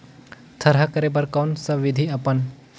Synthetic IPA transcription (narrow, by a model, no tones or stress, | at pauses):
t̪ʰɐɾɦakəɾebəɾkɐːnsəʋɪd̪ʱiɐpən